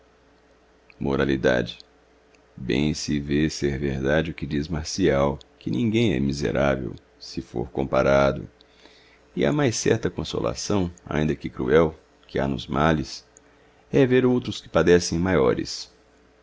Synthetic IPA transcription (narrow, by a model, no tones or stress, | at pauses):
moɾalid̪a̰d͡ʒɪ | bḛ̃j̃sɪveseɾveɾd̪ad͡ʒɪʊkɪd͡ʒizmaɾsiawkɪnĩŋɡẽj̃ɛ̰mizḛɾavḛw | sɪfo̰ɾkõpaɾad̪ʊ̰ | ɪɐ̰majsɛ̰ɾt̪ɐkõso̰la̰sɐ̃w̃a̰ĩnd̪ɐkɪkɾṵɛw | kɪa̰nʊzmʔalɪs | ɛveɾowt̪ɾʊskɪ̥pad̪ɛsẽj̃majɔɾɪ̰s